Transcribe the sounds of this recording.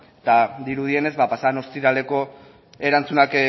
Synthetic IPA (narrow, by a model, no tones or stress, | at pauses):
t̪ad̪iɾuð̞ie̞ne̞zbapasano̞st̪iɾale̞ko̞ | e̞ɾant͡sunak